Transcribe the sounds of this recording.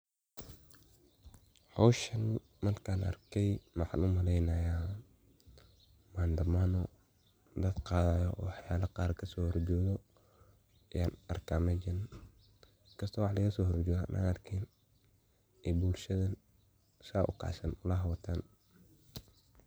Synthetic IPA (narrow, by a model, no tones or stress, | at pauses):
hɔwʃɐn | mɐrkʰaːnʔɐ̰rkʰɛjmɑħɑ̰nʊmɐlɛjnɐja | maːnd̪ɐmaːnɔ | d̪ɐd̪qɑːðajɔɔ̰wɑħjaːlɐqɑːrkʰɐsɔːhɔrd͡ʒɔːðɔ | ɪjaːnɐrkʰaːmɛd͡ʒɐn | kʰɐst̪ʰɔːwɑħlɐɣɐsɔːhɔrd͡ʒɔːa̰nʔa̰ːnɐrkʰɛn | ɛbulʃɐðɐ | ʃaːʔʊkʰɑ̰sɐnʊlɐɦɐwɐt̪ʰaːn